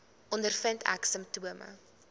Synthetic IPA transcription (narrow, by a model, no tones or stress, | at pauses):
ʔɔndərfəntʰæ̰ksəmtuəmə̰